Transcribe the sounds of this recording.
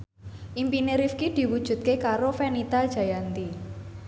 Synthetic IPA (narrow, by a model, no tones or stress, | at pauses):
ʔimpineɾifkid̪̥i̤wud̥ʒ̥ṳt̪̚kekaɾofɛnit̪al̥ʒ̥a̤jant̪i